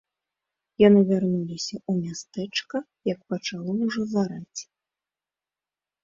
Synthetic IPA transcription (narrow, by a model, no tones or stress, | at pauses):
janɨvʲarnulʲisʲɐumʲast̪ɛt͡ʂkɐ | jɐk̚pɐt͡ʂalˠɔwʐɔzaɾat͡sʲ